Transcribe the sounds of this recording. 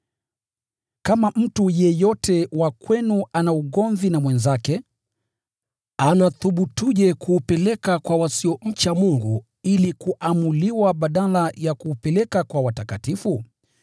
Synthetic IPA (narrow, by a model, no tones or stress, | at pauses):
kamam̩tujɛjɔtɛwakwɛnuanauɠɔɱvinamwɛnzakɛ | anaθuɓutuʄɛkuːpɛlɛkakwawasiɔɲ̩t͡ʃamuŋɡu | ilikuʔamuliwaɓaɗalajakuːpɛlɛkakwawatakatifu